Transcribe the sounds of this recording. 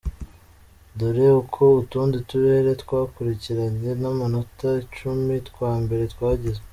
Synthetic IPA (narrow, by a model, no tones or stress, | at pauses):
duɾeukʰo̞utuːndituɾeeɾe̞tkwaːkuɾiciɾaɲe̞namanotat͡ʃumitkwaːmbe̞ɾe̞twaːɟeze